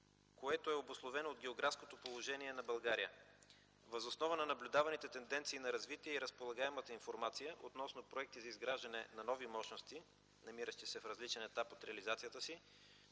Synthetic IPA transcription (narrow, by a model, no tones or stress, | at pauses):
koɛt̪oɛobʊslˠovɛnoːd̪̚ɡɛoɡɾafskot̪opolˠoʒɛniɛnɐbɐlˠɡaɾijə̰ | vɐzosnɔvənɐnɐblʲʊd̪avɐnit̪ɛt̪ɛnd̪ɛnt̪siːnɐɾɐzvit̪iɛiɾəspolˠɐɡaɛmət̪əinfoɾmat̪sijəʔot̪nɔsnopɾoɛk̚t̪izɐizɡɾaʒd̪ɐnɛnɐnɔvimɔʃnost̪i | nɐmiɾəʃt̪isɛfɾɐzlit͡ʃɛnɛt̪apot̪ɾɛɐlizat̪sijət̪əsi